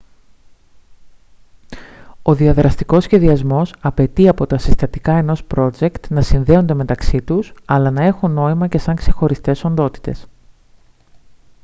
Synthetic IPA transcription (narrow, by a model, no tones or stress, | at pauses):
o̞ðiɐðɾɐst̪iko̞sçe̞ðiɐzmo̞sɐpe̞t̪iɐpo̞t̪ɐsist̪ɐt̪ikɐe̞no̞spɾo̞d͡ʒe̞kt̪nɐsinðe̞o̞nd̪e̞me̞t̪ɐksit̪usɐlɐnɐe̞xuno̞imɐce̞sɐŋkse̞xo̞ɾist̪e̞so̞nd̪o̞t̪i̥t̪e̞̰s